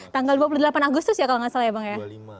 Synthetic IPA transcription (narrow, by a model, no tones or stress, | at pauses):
t̪aŋɡalduapulud̪əlapanaɡust̪ʊsjakalaŋasaljabaŋja